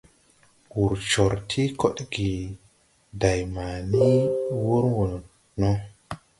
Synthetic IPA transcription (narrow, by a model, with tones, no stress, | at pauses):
wu˨ɾt͡ʃo˨ɾtʰi˦ko˦ɗɡi˨ | da˨jma˨ni˦wu˦ɾwo˨ | no˦